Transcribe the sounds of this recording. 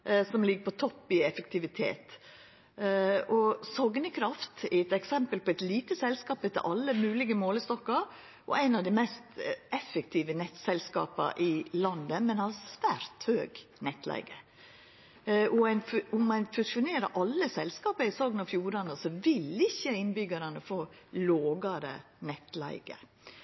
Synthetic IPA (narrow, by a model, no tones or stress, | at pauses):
sɔmlɪɡːəpʰɔt̪ʰɔpːɪɛfək̚t̪ʰɪʋɪt̪ʰḛːt̪ | ɔsɔɡnəkʰɾɑft̪ɛɛt̪ɛksɛmpəlpɔæɪt̪liːt̪əsɛlskɑːpət̪ɪ̰lʔɑlːəmʉːlɪɡəmoːləst̪ɔkːɑɾ | ʔɔ̰ʔæɪnɑʋd̪æɪmɛst̪ɛfəkt̪ʰiːʋənɛt̪sɛlskɑ̰ːpɑ̰ʔɪlɑnd̪əmɛnhɑsʋæːɾt̪høːɡnɛt̪læ̰ɪɡə | ɔæɪnʊmːɛɪnfʉsʊneːɾə̰ʔɑlːəsɛlskɑːpəɪsɔɡnɑfjuːɾɑnəsɔʋɪlɪçːəɪnbʏɡɑɾɑnəfɔloːɡɑɾə̰ | nɛt̪læ̰ɪɡə̰